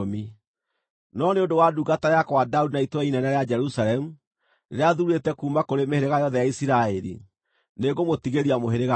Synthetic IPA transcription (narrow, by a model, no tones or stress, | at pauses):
mi | nɔneondowaduɡatajakwadaudinaitwɛinɛnaɾead͡ʒɛɾusaɾɛmu | neɾeaðuuɾetɛkuːmakoɾemeheɾeɣajɔðɛjaisiɾaɛɾḭ | neɣomotiɣeɾiamoɦeɾeɣa